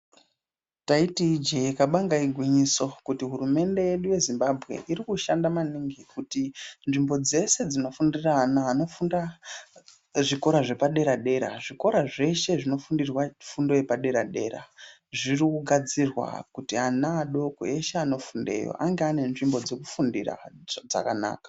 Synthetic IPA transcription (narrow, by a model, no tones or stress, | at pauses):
taitid͡ʒeikaɓaŋɡaiɡʱwiɲiso̞kutiɦurume̞nde̞je̞ɗuje̞zimbabʱɣe̞̰ʔiɾikuʃandamaniŋɡikutinʐimbo̞d͡ze̞se̞d͡zino̞fundiranaːno̞funa | ʐiko̞ɾaʐe̞paɗe̞ɾaɗe̞ɾa̰ʐiko̞ɾaʐe̞ʃe̞ʐino̞fundirwafundo̞jepaɗe̞ɾaɗe̞̰ːɾa̰ | ʐirikuɡʱad͡zirwa̰kutianaːɗo̞ko̰e̞ʃeano̞funde̞̰jo̰ʔaŋɡeane̞nʐimbo̞d͡ze̞kufundira̰d͡za̰kana̰ːkḁ